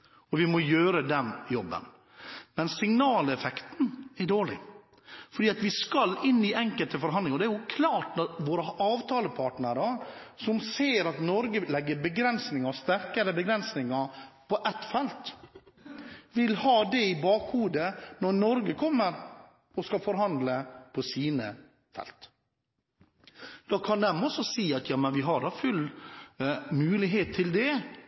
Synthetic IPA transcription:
ɔʋɪmɔjøːɾəd̪ɛnjɔbːə̰n | mɛnsɪŋnɑːlɛfɛkt̪nɛɖoːɭɪ̰ | fɔɖiːɑt̪ʋɪskɑlɪnːɪʔɛŋkəlt̪əfɔɾɦɑnd̪lɪŋɔd̪ɛæɾjʊkʰlɑːʈnɔɾʋoːɾəʔɑːʋt̪ʰɑːləpʰɑʈnəɾəsɔmseːɾɑt̪nɔɾɡəlɛɡːəbəɡɾɛnsnɪŋɑst̪æɾkəɾəbəɡɾɛnsnɪŋɑpʰɔʔɛt̪fɛlt̪ | ʋɪlhɑːd̪ɛɪbɑːkhuːd̪ənɔɾnɔɾɡəkʰɔmːəɾ | ɔskɑfɔɾɦɑnd̪ləpʰɔsiːnə | fɛ̰lt̪ | d̪̥ɑːkʰɑnd̪ɛmɔsɔsiːɑt̪jɑːmənʋɪɦɑɖɑfʉlː | mʉːlɪɦeːt̪ʰːɪld̪ɛ

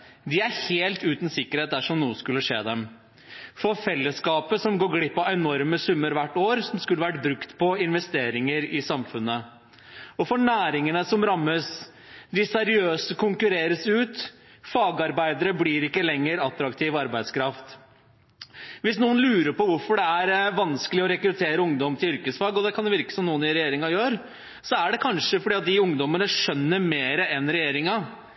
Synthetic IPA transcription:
d̪ɪæɾheːlt̪ʉːt̪n̩sɪkːəɾheːt̪̚d̪æʂɔmnuːəskʉlːəʂeːd̪ɛm | fɔɾfɛlːəskɑːpəsɔmɡoːɡɽɪpːɑɛnɔɾməsʉmːəɾʋæʈːoːɾsɔmskʉlːəʋæʈbɾʉkt̪pʰɔɪnʋɛst̪eːɾɪŋəɾɪsɑmfʉnːə | ɔfɔɳæːɾɪŋənəsɔmɾɑmːəs | d̪ɪsɛɾɪøːsəkʰʊŋkʉɾeːɾəsʉːt̪ | fɑːɡɑɾbæɪd̪əɾəbliːɾɪkːəlɛŋːəɾɑt̪ːɾɑkt̪ʰiːʋɑɾbæɪd̪skʰɾɑft̪ | ʋɪsnuːənlʉːɾəɾpɔʋʊɾfɔɖɛæɾʋɑnskəlɪɔɾɛkɾʉt̪ʰeːɾəʊŋd̪ɔmt̪ʰɪlʏɾkəsfɑːɡɔd̪ɛkʰɑnd̪ɛʋɪɾkə̥sɔmnuːənɪɾɛjeːɾɪŋɑjøːɾ | sɔæɖɛkʰɑnʂəfɔɖiːɑt̪̚d̪ɪʊŋd̪ɔmənəʂœnːəɾmeːɾəɛnɾɛjeːɾɪŋɑ

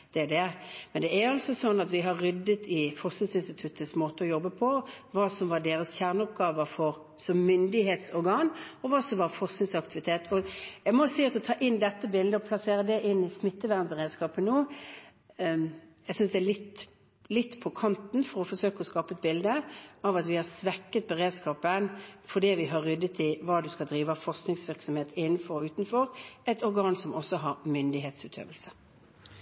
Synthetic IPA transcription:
d̪̥ɛd̪ɛmɛnd̪ɛæɾɑlsɔsɔnːɑt̪ʋɪɦɑɾːʏd̪ːət̪ʰɪfɔsɪnsɪnst̪ɪt̪ʰʉt̪ːəsmoːt̪əɔjɔbːəpʰɔʋɑːsɔmʋɑʁɖ̪eːɾəsçjæʁnəɔpɡɑːʋəfɔɾ | sɔmːʏnd̪ɪheːt̪sɔɾɡɑːnɔʋɑːsɔmʋɑɾfɔʁsɪnsɑkt̪ɪʋɪt̪ʰeːt̪ʰɔjæɡmɔsiːɑt̪ɔt̪ʰɑːʔɪnːd̪ɛt̪ːəbɪld̪əɔpʰlɑseːɾəd̪ɛʔɪnːɪsmɪt̪ːəʋæʁmbəʁeːd̪skɑːpənoː | jɛɡsʏnsd̪ɛælɪt̪ | lɪt̪ːpʰɔkʰɑnt̪n̩fɔɾɔfɔsøːkəɔskɑːpəɛt̪̚bɪld̪əɑʋɑt̪ʋɪhɑsʋɛkːət̪̚bəʁeːd̪skɑːpənfɔd̪iːʋɪɦɑʁːʏd̪ːət̪ʰɪʋɑːd̪ʉskɑld̪ɾiːʋəɑfɔʁsknɪŋsʋɪʁksɔmheːt̪ɪnːn̩fɔɾʉːt̪nfɔʁɛt̪ʰɔɾɡɑːnsɔmɔsːɔɦɑɾmʏnd̪ɪɦeːt̪sʉːt̪ʰø̰ːʋəlsə

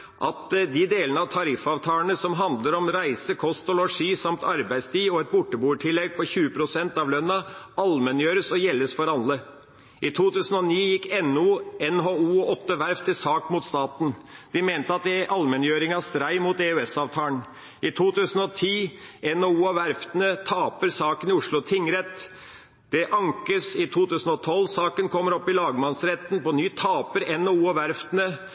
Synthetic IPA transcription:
ʔɑt̪d̪ɪd̪eːlənəɑʋt̪ʰɑɾɪfɑʋt̪ʰɑːəɳəsɔmɦɑnd̪ləɾɔmɾæɪsəkʰɔst̪ɔlɔʂiːsɑmt̪ʰɑɾbæɪst̪ʰiːɔɛt̪̚bʊʈːəbuːʈʰɪlːɛɡ̚pʰɔçʉːəpʰɾʊsɛnt̪ɑʋlœnːɑɑlmɛnjøːɾəsɔjɛlːəsfɔɾɑlːə | ʔɪt̪ʰuːt̪ʉːsən̩ɔniːjɪkːɛnuːɛnɦoːuːɔɔt̪ːəʋæɾft̪ʰɪlsɑːkmuːt̪st̪ɑːt̪n̩d̪̥ɪmeːnt̪əɑt̪̚d̪ɛʔɑlmɛnjøːɾɪŋɑst̪ɾæɪmuːt̪ɛʉɛsɑːʋt̪ʰɑːəɳ | ɪt̪ʰuːt̪ʉːsən̩ɔt̪ʰiːɛnoːuːɑʋæɾft̪ənət̪ʰɑːpəɾsɑːkənɪʊʂɭʊt̪ʰɪŋːɾɛt̪ː | d̪̥ɛʔɑŋkəsɪt̪ʰuːt̪ʉːsn̩ɔt̪ʰɔlsɑːkənkʰɔmːəɾɔpːɪlɑːɡmɑnsɾɛt̪ːn̩pɔnyːt̪ʰɑːpəɾɛnoːuːɑʋæɾft̪ənə

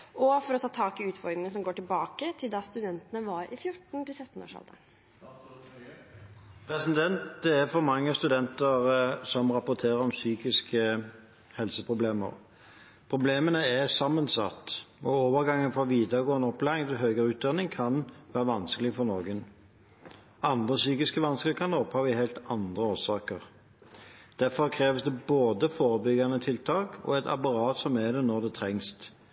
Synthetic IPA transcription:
ʔɔfɔɾɔt̪ʰɑːt̪ʰɑːkɪʉːt̪fɔɾd̪ɾɪŋənəs̬ɔmɡoːʈɪlbɑːkət̪ʰɪld̪ɑst̪ʉd̪ɛnt̪ənəʋɑɾʔɪ̰fjʊʈɳ̩t̪ɪlsɛt̪ːn̩o̰ːʂɑ̰ld̪ə̰ | pʰɾɛsɪd̪ɛnt̪̚d̪ɛæʁfɔɾmɑŋːəst̪ʉd̪ɛnt̪əʁsɔmʁɑpʊt̪ʰeːʁəɾɔmsyːkɪskə | hɛlsəpʰʁʊbleːmə̰ʁ | pʰʁʊbleːmənəæsɑmːənsɑ̰t̪ːɔoːʋəɾɡɑŋːənfɔʋiːd̪əʁɡoːənd̪əɔplæːɪŋt̪ʰɪlɦøːɡəɾʉːt̪̚d̪ɑnɪŋkʰɑnʋæːʁəʋɑnskəlɪɡəfɔʁnɔːɡən | ɑnd̪ʁəsyːkɪskəʋɑnskəlɪkʰɑnd̪ɔphɑʋɪhæɪlt̪ɑnd̪ʁəoːsɑːkəʁ | d̪̥æfɔʁkʰʁeːʋəsd̪ɛboːd̪əfoːɾəbʏɡɑnət̪ʰɪlt̪ʰɑːkɔ̰ɛt̪ʰɑ̰pɑɾɑːt̪sɔmæd̪ɛnɔʁd̪ɛt̪ʰɾɛŋst̪

